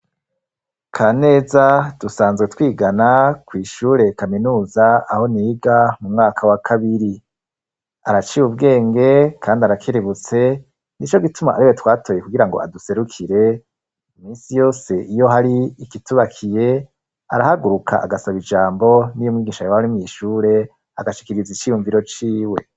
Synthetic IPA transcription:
kʰaːne̞ːzad̥usaːnzɡwe̞twiːɡanakwiːʃuːɾe̞kaminuːzaaho̞niɡamumŋaːkʰawakʰaβiɾi | aɾat͡ʃiβubɡe̞ːŋɡe̞kʰaːndiaɾakʰiɾiβut͡se̞ | nit͡ʃo̞ɡituma̰ʔaɾiwe̞twaːtʰo̞ːjekuɡiɾaŋɡo̞̰a̰duse̞ɾukʰiɾe̞ | iminsijo̞ːse̞ʔijo̞ɦaɾiːkituβakʰije̞ | a̰ɾahaɡuɾukʰa̰ʔaɡasaβid͡ʒaːmbo̞nijomŋiːɡiːʃajohaɾimŋiːʃuːɾe̞ | aɡaʃi̥kiɾizit͡ʃijuɱviɾo̞t͡ʃiːwe̞

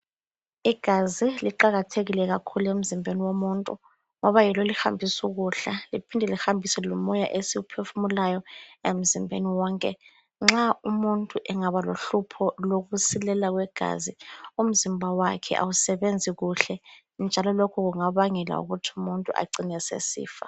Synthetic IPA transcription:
iɡ̥ʱaziliǃaɣatʰeɣilɛɣ̬akʰuluem̩zimbʱeniwomuntʼu | ŋɔβajilolixa̰mbʱisuɣuɬalipʰindʱɛlixambʱisɛlɔmɔjaʔesiupʰefumulajɔem̩zimbʱḛniwɔːŋkʼɛ | ŋ͡ǁaumuntʼuʔɛŋaβaloɬupʰɔloɣusilɛlaɣ̬wɛɡ̥ʱa̰zium̩zimbʱawakʰɛ̰ʔa̰wusɛβend͡zʱiɣuɬɛ | nd͡ʒʱalɔlokʰuɣuŋaβaŋɛla̰ṵɣutʰiumuntʼuʔa̰ǀinɛsḛsḭːfa̰

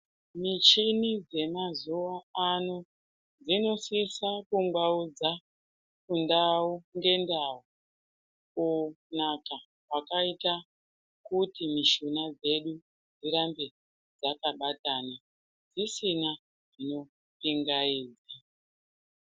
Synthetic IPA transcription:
mit͡ʃinid͡ze̞mazuʋaano | d͡zino̞sisakuŋɡwaud͡za | kundauŋɡe̞ndau | ko | naka | wwakaita | kutimiʃunad͡ze̞ɗu | d͡ziɾambe | d͡zakaɓataːna | d͡zisina | ʐino̞ | piŋɡaiːd͡za

